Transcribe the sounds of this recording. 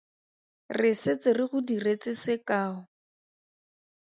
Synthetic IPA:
rɪsɪt͡sɪrɪχʊdiret͡sɪsɪkaːɔ

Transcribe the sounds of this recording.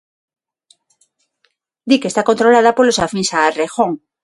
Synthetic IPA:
d̪ikest̪akont̪ɾolað̞apolosafiŋsaːrexoŋ

